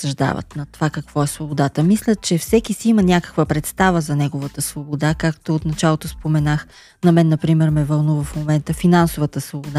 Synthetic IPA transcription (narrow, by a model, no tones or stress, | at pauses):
sɐʒd̪a̰və̰t̪nɐt̪ovakɐkv̥ɔɛsvobod̪at̪əmislʲət͡ʃɛfsɛkisiimənʲakə̥kvəpɾɛt̪st̪avəzɐnɛɡovət̪əsvobod̪akakt̪oot̪nɐt͡ʃalˠot̪ospomɛnax | nɐmɛnːɐpɾimɛɾmɛvɐlˠnuvəfmomɛnt̪əfinansovət̪əsvobod̪a